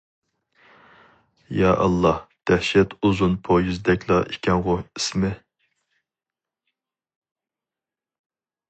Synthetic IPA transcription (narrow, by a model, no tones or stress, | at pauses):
jɑːʔɑ̰lˠːɑhd̪̥æhʃɛt̪ʰuzunpʰojyzd̪ɛkʲlˠɑikʲʰɛŋʁʊismɪ